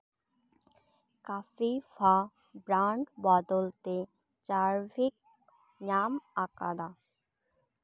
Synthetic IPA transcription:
kafifa | bɾaɳɖbɔd̪olt̪e | t͡ɕaɾbʱik̚ | ɲamaka̰d̪a

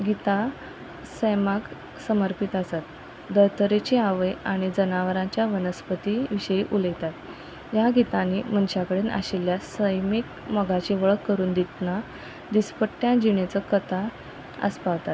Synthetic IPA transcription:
ɡit̪a | səjmak | səməɾpit̪asat̪ | d̪əɾt̪əɾet͡ɕiaʋəjaɽ̃id͡zənaʋəɾãt͡ɕjaʋənəspət̪iʋiɕəiʔuləɡt̪at̪ | jaɡit̪ãnim̤ənɕjakəɽeːnʔa̰ɕiljasəjmik | məɡat͡ɕiʋəɭəkːəɾuːnd̪it̪na | d̪ispəʈːjãd͡ʑiɳet͡səkət̪ʰa | ə̰spaʋt̪at̪

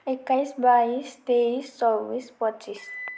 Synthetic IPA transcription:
ekːajsbaist̪eisːɔʋispɔtːt͡ʃis

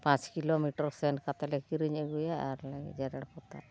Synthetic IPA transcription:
pãt͡ʃkilomiʈaɾseɳʈkat̪alekiɾiɲeɡujaaɾlaɡḭd͡ʒaɾaɽpɔt̪a̰

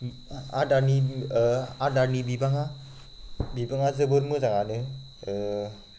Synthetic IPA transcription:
a̰dani | adanibibaŋa | bibaŋazəboɾmuzaŋanɯ

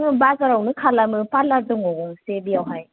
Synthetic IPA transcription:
ŋɯbazaɾawnɯkʰalamɯpalaɾdɯŋɔɡɔŋsebijawɦaj

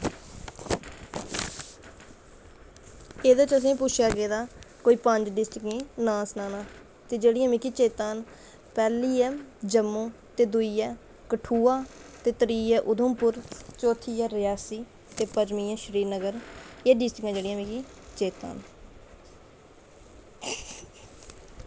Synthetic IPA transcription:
eːd̪əːt͡ʃəs̬ĩːpʊt͡ʃʰjaːɡeːd̪aːkoːiːpəɲd͡ʒɖɪsʈɪkẽːnãːsənaːnãː | t̪eːd͡ʒeːɽɪjãːmĩːkiːt͡ʃeːt̪aːn | pɛːliːɛːd͡ʒəmːõː | t̪eːd̪ʊiːɛː | kəʈʰuːaːt̪eːt̪əɾiːɛːʔʊd̪ʱəmpʊɾt͡ʃoːt̪ʰiːɛːɾɪjaːsiː | t̪eːpəd͡ʒmiːɛ̃ːʃəɾiːɾnəɡəɾeːɖɪsʈɪkãːd͡ʒeːɽɪjãːmĩːkiː | t͡ʃeːt̪a̰ːn

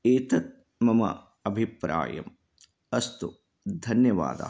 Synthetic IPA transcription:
eːt̪ɐt̪̚ | mɐmɐ̰ | ɐbʱipɾa̰ːjɐ̰m | ɐst̪u | d̪ʱɐnjɐʋa̰ːd̪ɐ̰

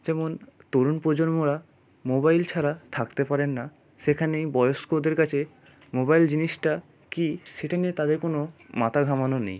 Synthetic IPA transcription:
d͡ʑɛmont̪oɾunpod͡ʑonmoɾa | mobajlt͡ɕʰaɾat̪ʰakt̪epaɾenːa | ʃekʰanejbɔeoskod̪eɾkat͡ɕʰe | mobajld͡ʑiniʃʈa | kiʃeʈʰanit̪ad̪eɾkonomat̪ʰaɡʱamanonḛj

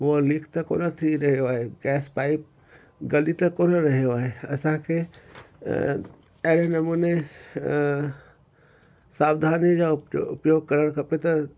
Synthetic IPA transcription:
ʋolikʰt̪ɐko̰ːnət̪ʰiɾɐɦjoaːɦeɡɛːspaːɪp̚ | ɡɐlit̪ɐkoːnɾɐɦijoaːɦeɐsãkʰe | ɐɦɽenɐmuːne | saːwd̪ʱaːnid͡ʒaʊpjoːɡ̚kɐɾəɽ̃kʰɐpet̪ɐ

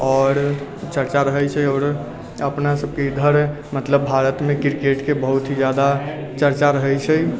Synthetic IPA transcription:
ɔɾt͡ʃəɾt͡ʃaɾəɦɛjt͡ʃʰɛjɔːɾ | əpnasəb̚keid̪ʱəɾ | mət̪ləbːʱaɾət̪mekiɾkeʈkebəɦut̪ɦid͡ʒjad̪a | t͡ʃəɾt͡ʃaɾəɦɛjt͡ʃʰɛj

